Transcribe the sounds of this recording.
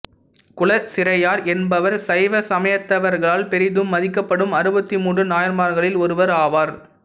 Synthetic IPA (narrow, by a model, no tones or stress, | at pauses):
kʊɭɐsɪɾɐjaːɾɛnbɐʋɐɾsɐɪʋɐsɐmɐjɐt̪ːɐʋɐɾɣɐɭaːlpɛɾɪðɯmːɐðɪkːɐpːɐɽɯmɐɾɯbɐt̪ːimuːɳrɯnaːjɐɾmaːɾɣɐɭɪlɔɾɯʋɐɾaːʋaːɾ